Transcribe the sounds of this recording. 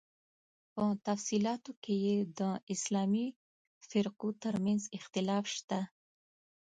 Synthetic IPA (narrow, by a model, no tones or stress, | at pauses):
pət̪afsilɑt̪okʰejed̪əɪslɑmi | fɪɾqut̪əɾmanzɪxt̪ɪlɑfʃt̪a